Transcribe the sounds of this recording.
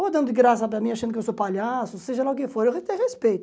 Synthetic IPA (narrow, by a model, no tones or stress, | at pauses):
vod̪ɐ̃nd̪ʊɪɡɾas̬ɐpɾɐmĩaʃɐ̃nd̪ʊkewsopaʎasʊseʒɐlaʊk̬ɪfoɾewet̪ẽj̃ʁespejt̪